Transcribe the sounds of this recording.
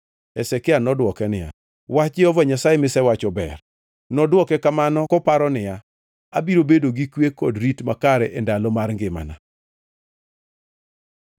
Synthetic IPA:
ɛsɛkɪanɔdwɔkɛnɪja̰ | wat͡ʃɪɔvɔɲasajemɪsɛwat͡ʃɔbɛ̰r | nɔdwɔkɛkamanɔkɔpaɾɔnɪja | abiɾobedoɡikwekɔdɾitmakaɾɛʔɛndalɔmarŋɡɪma̰na

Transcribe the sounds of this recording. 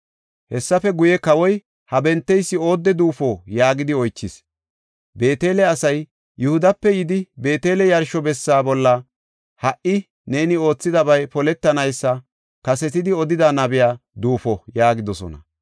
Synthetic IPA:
hɛsːɐfɛɡʊjɛkɐwɔj | hɐbɛnt̪ːɛjsːɪo̞ːd̪ːɛd̪uːfoːjaːɡɪd̪ɪɔjt͡ʃːɪs | be̞ːt̪e̞ːlɛɐsɐj | jʊhʊd̪ɐpːɛjɪd̪ɪbe̞ːt̪e̞ːlɛjɐɾʃɔbɛsːaːbɔlːɐ | hɐʔɪ | ne̞ːnɪo̞ːt͡sːɪd̪ɐbɐjpɔlɛt̪ːɐnɐjsːɐ | kɐsɛt̪ɪd̪ɪɔd̪ɪd̪anɐbɪjaːd̪uːfɔjaːɡɪd̪ɔsɔ̰nɐ̰

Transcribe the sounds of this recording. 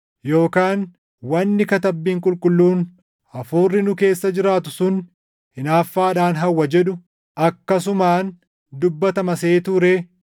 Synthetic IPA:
jo̞ːkaːn | wɐnːɪkɐt̪ɐbːiːŋkʼʊlkʼʊlːuːn | ɐfuːrːɪnʊke̞ːsːɐd͡ʒɪɾaːt̪ʊsʊn | hɪnaːfːaːᶑaːnɦɐwːɐd͡ʒɛᶑʊ | ʔɐkːɐs̬ʊmaːn | d̪ʊbːɐt̪ɐmɐseːt̪ʊɾeː

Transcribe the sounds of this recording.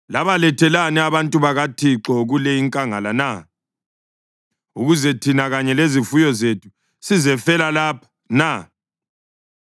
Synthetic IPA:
laβalɛtʰɛlanɛaβantʼuβaɣatʰiǁɔɣulɛiŋkʼaŋa̰lana | uɣuzɛtʰinaɣaɲɛlezifujɔzetʰu̥ | sizɛfɛlalaːpʰḁ | na

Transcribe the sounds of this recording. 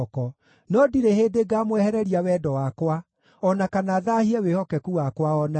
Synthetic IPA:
kɔ | nɔdiɾeheːdeɡaːmwɛhɛɾɛɾiawɛdɔwakwa | ɔnakanaðahiɛwehɔkɛkuwakwaɔna

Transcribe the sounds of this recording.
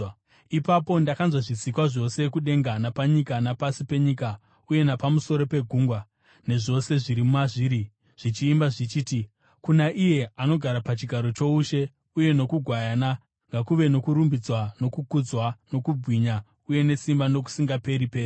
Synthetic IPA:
ipapo̞ndakanzwaʐit͡sikwaʐo̞se̞kuɗe̞ŋɡanapaɲikanapasipe̞ɲika | uje̞napamuso̞ɾo̞pe̞ɡʱuːŋɡwa | ne̞ʐo̞se̞ʐiɾimumaʐiːɾi | ʐ̥it͡ʃiːmbaʐit͡ʃiːti | kunaʔije̞ano̞ɡʱaɾapat͡ʃiɡʱaɾo̞t͡ʃo̞uʃe̞ | uje̞no̞kuɡʱwajana | ŋɡakuʋe̞no̞kuɾumbid͡zwano̞kukud͡zwano̞kubʱwiɲa | uje̞ne̞simbano̞k̬u̥siŋɡape̞ɾipe̞ːri

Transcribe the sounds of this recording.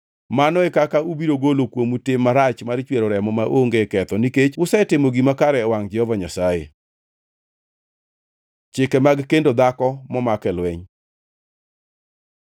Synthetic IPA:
manɔɛkakaubiɾoɡolokwomutemːaɾat͡ʃmart͡ʃweɾoɾɛmɔmaʔoŋɡekɛt̪ɔniket͡ʃʊsɛtɪmoɡimakaɾɛwaŋd͡ʒɛhɔvaɲasajḛ | t͡ʃɪkɛmaɡkendod̪akɔmɔmakɛlwɛɲ

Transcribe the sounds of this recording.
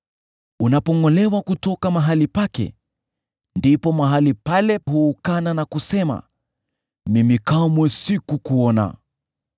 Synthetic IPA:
unapɔŋɔlɛwakutɔkamaɦalipakɛ̰ | ndipɔmaɦalipalɛhuːkananakusɛma̰ | mimikamwɛsikukuɔna̰

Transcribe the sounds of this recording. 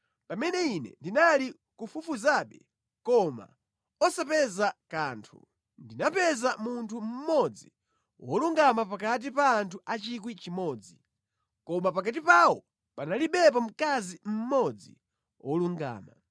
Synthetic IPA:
pamɛnɛinɛ̰ndinali | kufufuzaɓɛ | kɔma̰ | ɔsapɛzakaːntʰṵ | ndinapɛzamuntʰum̩mɔd͡zi | wɔluŋɡamapak̬at̬ipaːntʰuʔat͡ʃikwit͡ʃimɔːd͡zi | kɔmapakat̬ipawɔ | panaliɓɛp̬am̩kazim̩mɔd͡zḭ | wɔluŋɡa̰ːma

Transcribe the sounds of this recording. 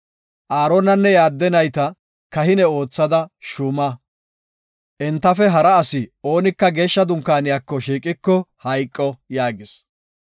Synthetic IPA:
ʔaːɾonɐnːɛjaːd̪ːɛnɐjt̪ɐ | kɐhɪnɛo̞ːt͡sːɐd̪ɐʃʊmɐ | ʔɛnt̪ːɐfɛɦɐɾɐːsɪo̞ːnɪkːɐɡe̞ːʃːɐd̪ʊŋkːaːnɪjaːkːɔʃiːkʼɪkːɔhɐjkʼːɔjaːɡɪs

